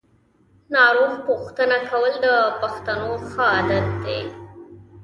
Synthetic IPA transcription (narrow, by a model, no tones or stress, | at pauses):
nɑɾoɣpuxt̪ənakawəld̪əpaxt̪anoxəad̪at̪̚d̪ḛ